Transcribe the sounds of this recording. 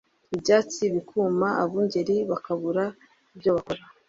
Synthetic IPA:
ibɟaːt͡siβikʰuːmaʔaβuːɲɟe̞ɾiβakaβuɾa | ibjo̞βakoɾa

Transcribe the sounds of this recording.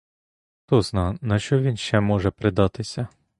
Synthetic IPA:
t̪ɔznɑnɐʃt͡ʃɔʋʲinʃt͡ʃɛmɔʒɛpɾɪd̪ɑt̪ɪsʲɐ

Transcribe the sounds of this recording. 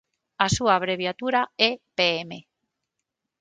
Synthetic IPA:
asuaβ̞ɾeβ̞jat̪uɾaepeeme

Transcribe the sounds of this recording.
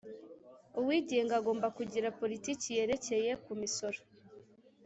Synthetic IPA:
uwiːɟeŋɡaɡo̞ːmbakuɟiɾapo̞ɾitiːcije̞ɾe̞ce̞je̞kumiso̞ɾo

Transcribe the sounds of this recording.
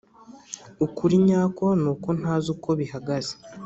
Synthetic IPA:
ukuɾiɲaːko̞nuːko̞n̥aːzukʰo̞βihaɡaze̥

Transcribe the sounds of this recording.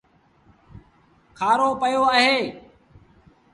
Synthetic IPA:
kʰaːɾoːpəjoːəɦeː

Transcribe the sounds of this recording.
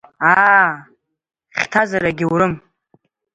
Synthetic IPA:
a | χʲtʰazaɾaɡʲiwɾɨm

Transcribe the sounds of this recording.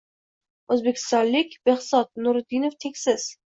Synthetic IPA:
ɵzbekʲʰɪ̥st̪ɒnlɪkʲb̥ehsɒt̪̚nʊɾʊd̪inoft̪ʰe̞kʲsɪz̥

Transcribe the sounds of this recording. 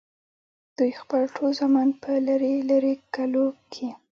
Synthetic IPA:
d̪̥ujxpəlʈʰolzɑmɑnpəlaɾelaɾekalokʰi

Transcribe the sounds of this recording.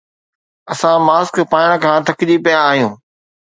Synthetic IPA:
ɐsãmaːskpaːəɽ̃kʰãːt̪ʰɐkɪʄipɐjaːɦijũː

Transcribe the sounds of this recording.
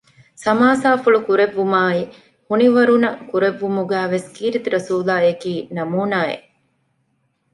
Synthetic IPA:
sɐmaːsaːfuɭukuɾeʋːumaːi | huniʋɐɾunɐkuɾeʋːumuɡæːʋeskiːɾit̪ɾɐsuːlaːekiːnɐmuːnaːḛ

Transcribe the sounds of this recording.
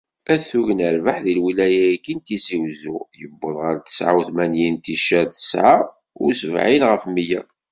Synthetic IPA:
æθuʝənəɾvəħðilwilæjæikːint̪iziwzujəbːəðˤʁəɾt̪ə̥sʕawθmænjint̪iʃæθə̥sʕa | ʊsəvʕinʁəfmijæ

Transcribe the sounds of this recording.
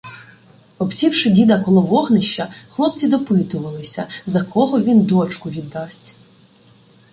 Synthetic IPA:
ɔpsʲiwʃɪdʲid̪ɐkɔlˠɔʋɔɦnɪʃt͡ʃːɐxlˠɔp̚t͡sʲid̪ɔpɪt̪ʊʋɐlˠɪsʲɐzɐkʰɔɦɔʋʲind̪ɔt͡ʃkʊʋʲid̪ːɑsʲtʲ

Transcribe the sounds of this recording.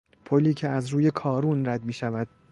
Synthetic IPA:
pʰoliːcʰeæzɾuːje̞kʰɒːɾunræd̪miːʃævæd̪̥̚

